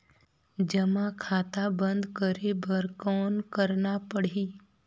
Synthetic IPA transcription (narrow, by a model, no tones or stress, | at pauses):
d͡ʒɐmãkʰaːt̪abə̃nd̪kəɾebəɾkɔːnkəɾnapəɽ̤iː